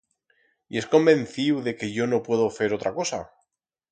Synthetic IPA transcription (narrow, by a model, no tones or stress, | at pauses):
ie̞sko̞mbẽ̞n̟θiwðe̞ke̞ʝo̞no̞pwe̞ðoθe̞ɾo̞t̪ɾako̞sa̰